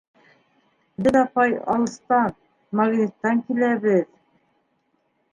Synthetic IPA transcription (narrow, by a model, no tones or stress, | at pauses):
bɘðɑpɑjɑ̰lˠɤ̆st̪ɑn | mɑɡnʲet̪ːɑŋkilæβɘð